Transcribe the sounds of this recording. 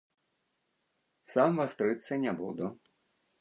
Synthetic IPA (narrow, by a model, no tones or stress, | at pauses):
samvast̪ɾɨt̪sːɐnʲabṵd̪u